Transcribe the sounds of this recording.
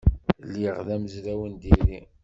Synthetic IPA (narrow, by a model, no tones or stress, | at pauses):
liʁðæməzɾæwənd̪iɾi